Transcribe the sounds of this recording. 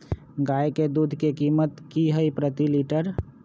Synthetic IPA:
ɡajked̪uːd̪ʱkekiːmət̪kiɦəipɾət̪iliʈəɾ

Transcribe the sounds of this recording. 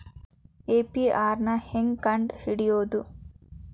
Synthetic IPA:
eːpiaːɾnɐheŋkɐɳɖhiɽijoːd̪u

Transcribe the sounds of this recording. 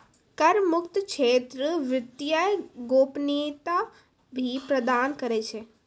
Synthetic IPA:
kɐɾmʊkt̪kʃʰeːt̪ɾəʋɪt̪jajɡoːpniːt̪a | bʱipɾəd̪aːnkəɾet͡ʃʰe

